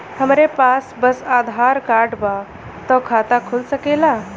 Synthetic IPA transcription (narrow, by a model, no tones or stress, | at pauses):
həmɾepaːsbəsaːd̪ʱaːɾkaːɾɖba | t̪ɔkʰaːt̪akʰulsəkelaː